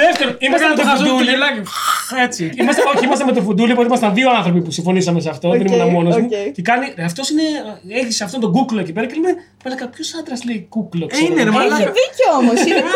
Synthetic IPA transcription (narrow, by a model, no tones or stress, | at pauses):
ðeft̪eɾoimɐst̪ɐmet̪oɐd̪ulilɐet͡siimɐst̪ɐoeimɐst̪ɐmet̪ofud̪ulipot̪imɐst̪ɐðioɐnθɾo̞p̬ipusĩɱfo̞nisɐmeseɐft̪o̞ðenimenɐmo̞nozmuecekɐniɐft̪o̞sine̞elçiseɐft̪o̞nt̪o̞ɡukloecipe̞ɾɐcelime | melɐkɐpçosɐnd̪ɾɐsleikuklosneɾmɐðiceooos